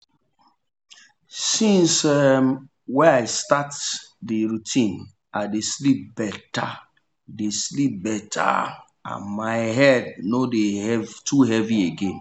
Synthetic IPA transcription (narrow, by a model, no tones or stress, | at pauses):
sĩnsɛ | wɛ̃naɪstatdiɹutʰĩn | ʔaɪdeslip̚bɛta̰ | deslip̚bɛtʰa̰ | ã̰nmaɪɦɛdnodehɛvtʰuɦɛvieɡẽn